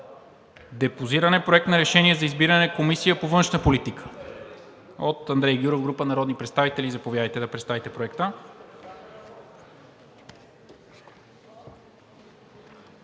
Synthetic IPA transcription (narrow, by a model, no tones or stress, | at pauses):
d̪ɛpoziɾɐnɛpɾoɛk̚t̪nɐɾɛʃɛniɛzɐizbiɾɐnɛkomisijəpovɤnʃnəpolit̪ikʰə̥ | ot̪ɐnd̪ɾɛjɡʲjuɾovɡɾupənɐɾɔd̪nipɾɛt̪st̪avit̪ɛlizɐpovjad̪əjt̪ɛd̪ɐpɾɛt̪st̪avit̪ɛpɾoɛkt̪ə